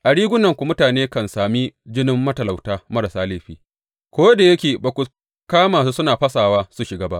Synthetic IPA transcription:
ʔa˨ɽiː˦ɡʷʊ˦nɐ˨ŋkʷu˨mʊ˦taː˨neː˦kɐ˨nsaː˨mi˦d͡ʒɪ˦nɪ˦mːɐ˦tɐ˨la˨wtaː˦mɐ˦ɾa˨saː˦leː˦ɸiː˦ | kʷoː˦jda˨jɐ˦kʲeː˨baː˨kʷu˨ | kaː˦maː˨su˦sʊ˦naː˨ɸɐ˦saː˨waː˦su˨ʃɪ˨ɡaː˦ba˦ʔ

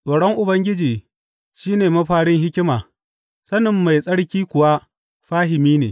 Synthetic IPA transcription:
sʼoː˨ɽɔ˦ŋʔʊ˨bɐ˦ŋɡʲɪ˦d͡ʒiː˨ | ʃiː˦neː˨mɐ˦ɸaː˦ɽɪ˦ŋɦɪ˦kʲɪ˦maː˨ | sɐ˦nɪ˨mːa˨jsʼɐ˦ɽkʲiː˦kʷʊ˨wa˦ | ɸaː˦hɪ˨miː˦neː˨

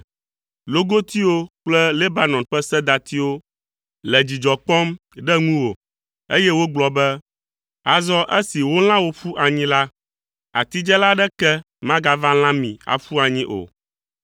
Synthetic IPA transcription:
lo˦ɡo˦t̪i˦wo˦k͡plɛ˦le˦ba˨nɔ̃˨nɸɛ˦sɛ˦d̪a˨t̪i˦wo˦ | lɛ˨d͡ʑi˨d͡ʒɔ˨k͡pɔ˦m | ɖɛ˦ŋũ˦wo˨ | e˦jɛ˦wo˦ɡ͡blɔ˨bɛ˦ | a˨zɔ˦ʔɛ˦si˨wo˦l̃ã˦wo˦ɸu˦ʔa˨ɲĩ˦la˦ | a̰˨t̪i˦d͡ʒɛ˦la˦ɖɛ˦kɛ˦ | mã˦ɡa˦vã˦l̃ã˦mĩ˨a̰˨ɸu˦a˨ɲĩ˦ʔo̰˨

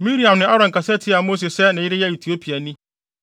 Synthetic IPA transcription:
mĩ˦ɾi˨ã˨mnɪ̃˨a˦ɾɔ̃˨ŋ˨kʰa˨sɛ˦tʰɪ˦a˨mo˦s̬e˨sɛ˦nɪ̃˨jɪ˦ɾɪ˦jɛ˦i˨tʰi˨o˦pʰi˨a˨nĩ˦

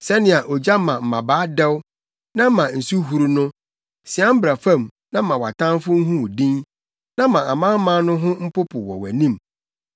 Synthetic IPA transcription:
sɛ˦nɪ̃˨a˨ʔɔ˨d͡ʑa˦mã˨m̩˨mã˨baː˨˦dɛ˦w | nã˦mã˨n̩˨su˦ɦu˦ɾnʊ̃˦ | sɪ˨a˦m̩˦bɾa˨fã˦˨mnã˦mã˨wa˨tʰã˦nfʊ˦ŋ̩˦ɦũ˦˨dĩ˦n | nã˦mã˨a˨mã˦m̩˦mã˦nʊ̃˦ɦʊ̃˦m̩˦pʊ˦pʰʊ˨wɔ̰˨wæ̰˨nĩ˦˨m

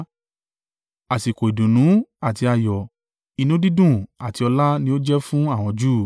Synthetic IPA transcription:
a˨si˨ko˨i˨dũ˨nũ˨˦a˦˨ti˧a˧jɔ˨ | i˧nũ˦di˦dũ˦˨a˨ti˧ɔ˧la˦nĩ˧o˦d͡ʒɛ˦fũ˦a˦˨w̃ɔ̃˧d͡ʒuː˦˨

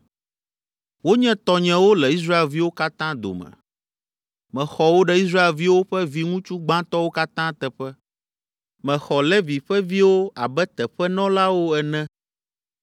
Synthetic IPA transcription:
wo˦ɲɛ̃˦t̪ɔ˦ɲɛ̃˨wo˦lɛ˨i˦s̬ɾa˦e˨lvi˦wo˦ka˦t̪ã˦d̪o̰˨mɛ̰̃˨ | mɛ̃˨xɔ˨wo˦ɖɛ˦i˦s̬ɾa˦e˨lvi˦wo˦ɸɛ˦vi˦ŋũ˦t͡ʃu˦ɡ͡bã˦t̪ɔ˦wo˦ka˦t̪ã˦t̪ɛ˨ɸɛ˦ | mɛ̃˨xɔ˨lɛ˦vi˨ɸɛ˦vi˦wo˦a˨bɛ˦t̪ɛ˨ɸɛ˦nɔ̃˦la˦wo˦ɛ˨nɛ̃˦

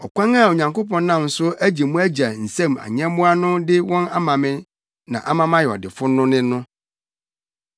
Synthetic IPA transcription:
ɔ˨kʷʰã˦ŋa˦˨o˨ɲã˨ŋko˦pɔ̃˨n˦nã˦˨m˨sʊ˦æ˦d͡ʑi˨mũ˦æ˦d͡ʑa˨n̩˨sɛ̃˦˨ma̰˨ɲɛ̃˦mʊ̃˦a˦nʊ̃˦dɪ˦wɔ̃˦na˦mã˨mɪ̃˦ | nã̰˨ʔa˦mã˦mã˦jɛ˨ɔ̰˨dɪ˨fʊ˦nʊ̃˦nɪ̃˦nːʊ̃˦

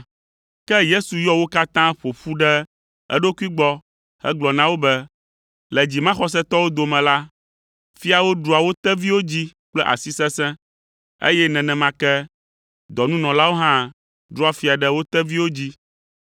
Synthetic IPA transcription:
kɛ˦je˦su˨jɔ˦wo˦ka˦t̪ã˦ɸo˨ɸu˦ɖɛ˦ | ɛ̰˦ɖo˦ku˦i˦ɡ͡bɔ˦ | hɛ̰˦ɡ͡blɔ˨nã˦wo˦bɛ˦ | lɛ˨d͡ʑi˨mã˦xɔ˦s̬ɛ̃˦t̪ɔ˦wo˦d̪o˨mɛ̃˨la˦ | fi˦a˨wo˦ɖɾu˦a˨wo˦t̪ɛ˦vi˦wo˦d͡ʑi˦k͡plɛ˦ʔa̰˨si˦sɛ̃˦sɛ̃˦ | ḛ˦jɛ˦nɛ̃˨nɛ̃˨mã˦kɛ˦ | d̪ɔ˨nũ˦nɔ̃˨la˦wo˦ɦã˦ | ɖɾu˦a˦fi˨a˨ɖɛ˦wo˦t̪ɛ˦vi˦wo˦d͡ʑi˦

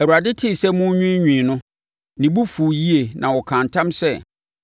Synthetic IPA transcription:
æ˨u˨ɾa˨dɪ˦tʰɪ˦˨sɛ˦mʊ̃˦ɲᶣĩ˦ɲᶣĩː˨nʊ̃˦ | nĩ˨bu˦fu˨ji˦e˨nʔã˨wɔ˨kʰã˨ntʰã˦msɛ˦

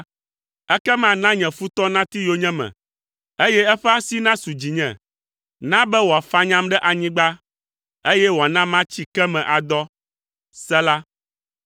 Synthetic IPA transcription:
ɛ˦kɛ˦mã˨nã˦ɲɛ̃˨fu˦t̪ɔ˦nã˦t̪i˦jo˦ɲɛ̃˦mɛ̰̃˨ | e˦jɛ˦ɛ˦ɸɛ˦a˦si˦nã˦su˨d͡ʑi˨ɲɛ̰̃˨ | nã˦bɛ˦wo˨a˨fa˦ɲã˦mɖɛ˦ʔa˨ɲĩ˦ɡ͡ba˦ | e˦jɛ˦wo˨a˨nã˦mã˦t͡ɕi˦kɛ˦mɛ̃˨ʔa˨d̪ɔ˦ | sɛ˦la˦

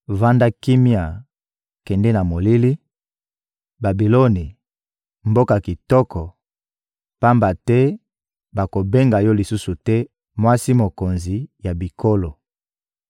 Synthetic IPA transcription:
va˦nda˦ki˦mi˦a˨ | kɛ˨ndɛ˦na˨mo˨li˦li˦ | ba˨bi˨lo˦ni˨ | mbo˦ka˨ki˨tɔ˦kʰɔ˨ | pa˦mba˨tɛ˦ | ba˨ko˨be˦ŋɡa˨jɔ˦li˨su˦su˨tɛ˦ | mwa˦si˦mo˨ko˨nzi˨ja˨bi˨kʰo˦lo˨

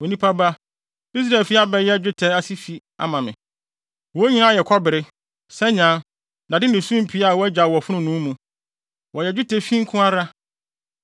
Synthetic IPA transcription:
wɔ˨nĩ˦pʰa˦ba˦ | i˦s̬ɾa˨ɛ˨lfi˦a˦bɛ˨jɛ˦d͡ʑᶣʊ˦tʰɛ˦a˦si˦fi˦ | a̰˨mã˨mɪ̰̃˨ | wɔ˨˦ɲĩ˦nã˦˨jɛ˨kʰɔ˦bɪ˨ɾɪ˦ | sɛ˦ɲã˦ | na˨dɪ˦nɪ̃˨sũ˦m˨pʰi˨˦a˦˨wɔ˦æ˦d͡ʑa˨wɔ˨fʊ˦nʊ̃˨nũː˨˦mũ˨ | wʔɔ˨jɛ˨d͡ʑᶣʊ˦tʰɛ˨fĩ˦ŋ̩˦kʰʊ̃˦a˦ɾa˦

